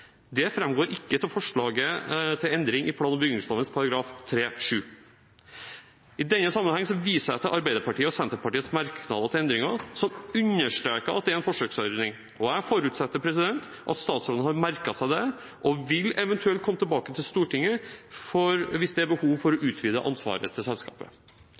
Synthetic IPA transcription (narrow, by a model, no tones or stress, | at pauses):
d̪ɛfɾɛmɡoːɾʔɪkːət̪ʰɪlfɔʂɭɑːɡət̪ʰɪlɛnd̪ɾɪŋʔɪpʰlɑːnɔmbʏɡnɪŋslɔːʋənspʰɑɾɑɡɾɑːft̪ʰɾeːʂʉː | ɪd̪ɛnːəsɑmːənhɑŋːsɔʋiːsəɾæɪt̪ɪlʔɑɾbæɪd̪əɾpɑʈiːəɔsɛnt̪əɾpɑʈiːət̪smɑɾkʰnɑ̰d̪ət̪ʰɪlɛnd̪ɾɪŋɑsɔmʉnːəʂʈ̪ɾækəɾɑt̪̚d̪ɛæɾɛnfɔʂøːksœɾd̪nɪŋ | ɔæɪfɔɾʉːt̪sɛt̪ːəɾpʰɾɛsɪd̪ɛnt̪ | ʔɑ̰t̪st̪ɑːt̪sɔləhɑɾmæɾkɑsæɪd̪ɛ | ʔɔʋɪlɛʋɛnt̪ʰʉɛlt̪kʰɔmːət̪ʰɛlbɑːkət̪ʰɪlst̪uːʈɪŋːəfɔɾʋɪsd̪æbəhuːʋfɔɾɔʔʉːt̪ʰʋiːd̪ə̰ʔɑ̰nsʋɑ̰ːɾə̰t̪ʰɪlsɛlskɑ̰ːpə̰